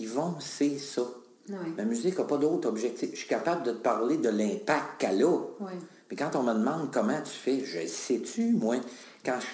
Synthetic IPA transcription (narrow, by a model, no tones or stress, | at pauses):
ivɔ̃sesɔ | mamyzɪkɔpɔd̪ot̪ɔbʒɛk̚t̪ɪfʃɥi̥kapabld̪ət̪ə̥paʁled̪əlɛ̃ːpak̚t̪kalɔ | mɛkɑ̃t̪ɔ̃məd̪mɑ̃d̪kʌmãt̪y̥fɛʒə̰sɛt̪ymwɛ̃ | kãʃ